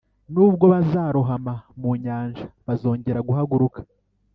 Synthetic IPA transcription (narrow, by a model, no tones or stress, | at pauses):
nuːbɡo̞βazaːɾoɦamamuɲaːnʒaβazo̞ːɲɟe̞ɾaɡuɦaɡuɾukḁ